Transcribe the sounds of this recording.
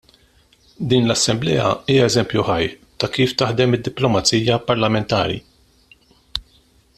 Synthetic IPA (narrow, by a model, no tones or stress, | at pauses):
d̪iːnlɐsːɛmblɛ̰ːjɐ̰iːjɐɛzɛmpjuħɐjt̪ɐkiːft̪ɐħd̪ɛmɪd̪ːɪplɔmɐt͡siːjɐpɐɾlɐmɛnt̪ɐ̰ːɾḭ